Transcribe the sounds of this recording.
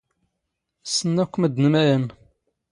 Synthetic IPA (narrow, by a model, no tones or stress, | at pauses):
sənːækʷːməd̪nəmæɾən